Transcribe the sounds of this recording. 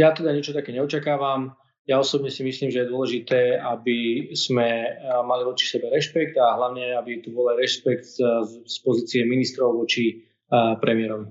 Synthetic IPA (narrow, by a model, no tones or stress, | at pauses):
jat̪ɛd̪aɲɛt͡ʃɔt̪akɛːɲɛɔt͡ʃakaːʋam | jaɔsɔbɲɛsimisliːmʒɛjɛd̪ʊɔlɛʒit̪ɛːabiz̥mɛmaliʋɔt͡ʃi̥sɛbɛɾɛʃpɛk̚t̪aɦlaʊɲɛabit̪ubɔlaɪɾɛʃpɛkt̪spɔziːt͡siɛminist̪ɾɔʊʋɔt͡ʃi | pɾɛmiɛɾɔm